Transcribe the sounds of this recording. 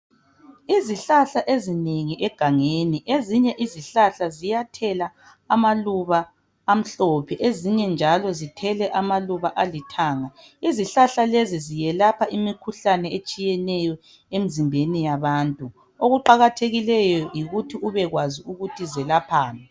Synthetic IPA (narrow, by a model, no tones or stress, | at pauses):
iziɬaɬaʔezineŋiʔɛɡ̥ʱaŋeniʔeziɲɛʔiziɬaɬazijatʰɛlaː | maluβaː | m̩ɬɔpʰɛʔeziɲɛnd͡ʒʱalɔzitʰɛlɛʔamaluβaʔalitʰaːŋa | iziɬaɬalezizijɛlapʰaimikʰuɬanɛet͡ʃʼijɛnɛjɔ | em̩zimbʱenijaβaːntʼu | oɣuǃaɣatʰeɣilɛjɔjiɣutʰiuβɛɣwaziuɣutʰizɛlapʰaːmi